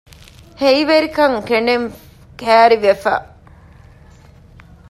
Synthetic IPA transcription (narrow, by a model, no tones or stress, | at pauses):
heiʋeɾikɐŋkeɳeŋ | kæːɾiʋefa̰